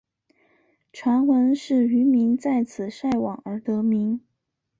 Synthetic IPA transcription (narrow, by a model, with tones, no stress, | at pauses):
ʈ͡ʂʰwa˧˥nxwə˧˥nʂɻ̩˥˩y˧˥mi˧˥ŋt͡sa˥˩ɪt͡sʰɹ̩˨˩ʂa˥˩ɪwɑ˨˩ŋə˞˧˥t̪ɤ˧˥mi˧˥ŋ